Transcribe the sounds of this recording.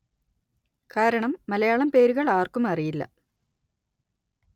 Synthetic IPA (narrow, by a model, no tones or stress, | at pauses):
kaːɾɐɳɐmːɐlɐjaːɭɐmpe̞ːɾuɣɐɭaːrkumɐrijilːɐ̰